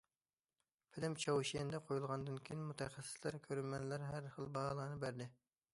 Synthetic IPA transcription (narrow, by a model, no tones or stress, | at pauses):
pʰɪlɪmt͡ʃʰɑwʃijɛnd̪ɛqʰojulˠʁɑnd̪ɨnkʲʰijinmut̪ʰɛχæsːɪ̥slæɾkʲʰøɾymɛnlæɾɦæɾχəlˠbɑɑlˠɑnɨbæɾd̪ɪ